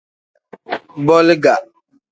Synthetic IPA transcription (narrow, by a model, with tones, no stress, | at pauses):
bɔ˦lɪ˦ɡa˨ʔ